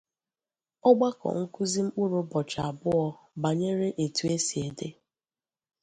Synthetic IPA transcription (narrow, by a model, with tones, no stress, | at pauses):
ɔ˦ɡ͡ba˦kɔ̰˨ŋ̩˦ku˦zi˦m̩˦k͡pu˦ɾu˦bɔ˨t͡ʃa˨a˨bʊ˦ɔ˦ | ba˨ɲe˦ɾe˦ʔe˨tu˨e˦si˨e˨de˦